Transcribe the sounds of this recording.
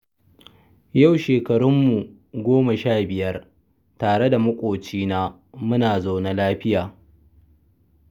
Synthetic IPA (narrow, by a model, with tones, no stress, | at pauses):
ja˦˨wʃeː˨kɐ˨ɽʊ˦mːu˨ | ɡʷoː˦ma˨ʃaː˦˨bɪ˨jɐ˦r | taː˨ɽe˦da˨mʊ˦kʷʼoː˨t͡ʃiː˦naː˦ | mʊ˦naː˨zoː˨na˦laː˦ɸɪ˦jaː˨